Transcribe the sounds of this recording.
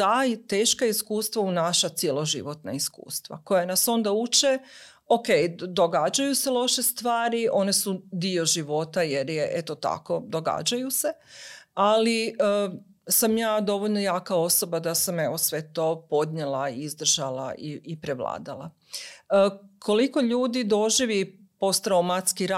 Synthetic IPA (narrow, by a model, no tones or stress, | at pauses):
ajt̪eːʃkaiskuːst̪ʋaunaʃat̪sjelo̞ʒḭʋo̞t̪na̰iskṵːst̪ʋa̰ko̞janaso̞nd̪aut͡ʃe | okejd̪o̞ɡad͡ʒajuselˠo̞ʃest̪ʋaːɾiʔo̞ne̞sud̪io̞ʒiʋo̞t̪ajeɾjeʔet̪ot̪a̰ko̞d̪o̞ɡa̰d͡ʑajuse̞aliə | samjaːd̪o̞ʋoʎno̞jaːkao̞so̞bad̪asame̞ʋosʋe̞t̪o̞po̞d̪ɲelaizd̪r̩ʒala̰iːpɾeʋlˠa̰ːd̪ala̰ | kʰo̞liko̞ʎuːd̪id̪o̞ʒiʋi | po̞st̪ɾawmat̪skiɾa